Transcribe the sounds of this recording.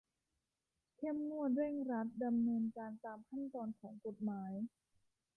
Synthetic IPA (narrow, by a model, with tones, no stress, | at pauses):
kʰe˥˩mnu˥˩ət̪̚ɾe˥˩ŋɾa˦˥t̪̚da˧mnɤː˧nkaː˧nt̪aː˧mkʰa˥˩nt̪ɔː˧nkʰɔː˩˦ŋko˨˩t̪̚maː˩˦j